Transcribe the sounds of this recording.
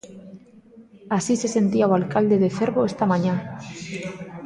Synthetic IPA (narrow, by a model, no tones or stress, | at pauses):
asise̞se̞nt̪iawalkald̪e̞ðeθe̞ɾβo̞est̪amãɲa